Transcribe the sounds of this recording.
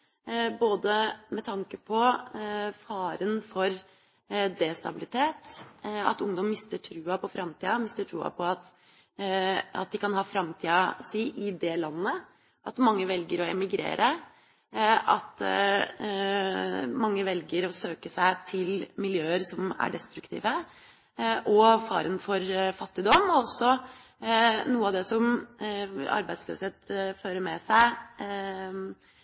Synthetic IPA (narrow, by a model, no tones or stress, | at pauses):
boːd̪əmɛt̪ʰɑŋkəpʰɔ | fɑːɾənfɔɾ | d̪ɛst̪ɑbɪlɪt̪ʰeːt̪ɑ̰t̪ʊŋd̪ɔmmɪst̪əʈʰɾʉːɑpɔfɾɑmt̪ʰiːɑmɪst̪əʈʰɾuːɑ̰pʰɔɑt̪ | ɑ̰t̪̚d̪ɪkɑnhɑːfɾɑmt̪ʰiːɑsiːʔɪd̪ɛlɑnːə | ʔɑt̪mɑŋːəʋɛlɡəɾɔɛmɪɡɾḛːɾʔə | ɑt̪ | mɑŋːəʋɛlɡəɾɔsøːkəsæɪt̪ʰɪlmɪljøːəɾsɔmæ̰ɖɛst̪ɾʉkt̪ʰḭːʋə | ʔɔfɑ̰ːɾənfɔɾfɑt̪ːɪd̪ɔmɔɔsːɔ | nuːəɑʋd̪ɛsɔm | ɑ̰ɾbæɪslø̰səheːt̪føːɾəmɛsæɪ